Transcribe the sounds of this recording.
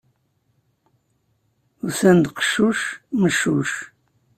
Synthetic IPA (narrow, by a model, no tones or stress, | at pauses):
usænd̪qə̥ʃuʃməʃuʃ